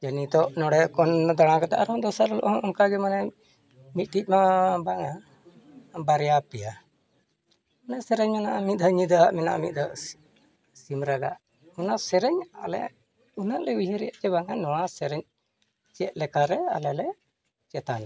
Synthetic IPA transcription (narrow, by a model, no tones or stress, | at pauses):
d͡ʒanit̪ɔʔnɔɽɛkɔnd̪aɽ̃ãkat̪aʔaɾɦɔ̃d̪ɔsaɾlɔ̰ʔɔɔmkaɡɛmanɛ | mit̪̚ʈic̚mabaŋa | baɾjapɛja | unaʔsɛɾɛɲmanaʔamit̪̚d̪aɲid̪aʔmɛna̰ʔmit̪̚d̪aʔ | simɾaɡa̰ʔ | unasɛɾɛɲa̰lɛ̰ | unaʔlɛujɦɛɾɛjaʔt͡ʃɛβaŋanɔwasɛɾɛɲ | t͡ʃɛt̪̚lɛkaɾɛa̰lɛlɛ | t͡ʃɛt̪ana